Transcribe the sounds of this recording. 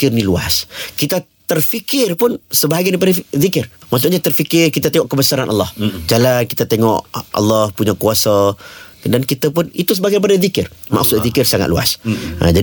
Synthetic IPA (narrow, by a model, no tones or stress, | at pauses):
kɪrnĩlua̰skit̪a | t̪ərfikɪrpʊnsəbaɦaɡajdip̬adaðikɪrmas̬ʊʔɲat̪ərfikɪrkit̪at̪eŋɔʔkəbəsaɾanʔalːɑhd͡ʒalankit̪at̪eŋɔ̰ʔa̰lːɑhpuɲakuasa | dankit̪ap̬ʊnit̪usəbaɡajɾipadaðikɪrma̰ksʊt̪̚ðikɪrsaŋa̰t̪lua̰sa̰d͡ʒai